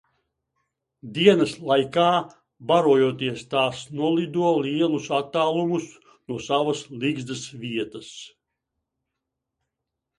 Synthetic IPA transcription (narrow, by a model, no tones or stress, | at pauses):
d̪iɛnɐslˠajkaː | baɾuɔjut̪iɛst̪aːsnuɔlˠid̪uɔliɛlˠusat̪ːaːlˠumus | nuɔsavɐsliɡzd̪ɐsvʲiɛt̪ɐs